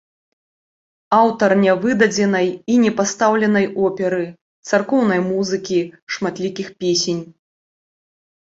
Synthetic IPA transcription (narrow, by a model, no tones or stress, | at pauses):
awt̪ɐrnʲavɨd̪ɐd͡zʲɛnɐjinʲɛpast̪awlʲɛn̪ɐjɔpʲɛɾɨ | t̪sarkɔwn̪ɐjmuzɨkʲiʂmat̪lʲikʲixpʲesʲenʲ